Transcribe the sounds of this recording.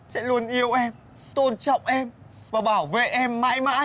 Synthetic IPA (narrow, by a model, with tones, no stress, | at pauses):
sɛ̰˧˥lu˧ənʔi˧əwʔɛ˧m | t̪o˧nt͡ɕɔ̰˧˨wŋ͡mʔɛ˧m | vaː˨˩ɓaː˧˩wvḛ˧˨ʔɛ˧mːa̰ː˧˥jma̰ː˧˥